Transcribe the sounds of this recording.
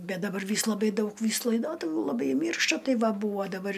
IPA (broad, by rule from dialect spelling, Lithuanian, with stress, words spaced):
ˈbʲɛt dɐˈbɐr ˈʋʲiːs lˠɐˈbɐɪ ˈdɐʊk ˈʋʲiːs lˠɐɪˈdoːtʊʋʲuː lˠɐˈbɐɪ ˈmʲiːrʃtɐ ˈtɐɪ ˈʋɐ ˈbuːʋoː dɐˈbɐr